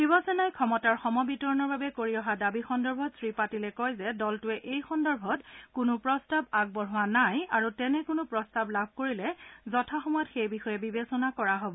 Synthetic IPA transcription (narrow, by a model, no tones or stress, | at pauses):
bibɔsɔnajkʰɔmɔtaɹxɔmɔbitɔɹɔnɔɹbabɛkoɹiɔɦadabixɔndɔɹbʱɔtsɹipatilɛkɔjzɛdɔltʊɛʔejxɔndɔɹbʱɔtkʊnʊpɹɔstabaɡ̚bɔɹɦʊanajaɹutɛnɛkʊnʊpɹɔstablabʱkoɹilɛzɔtʰaxɔmɔjɔtxejbixɔjɛbibesɔnakɔɹaɦobɔ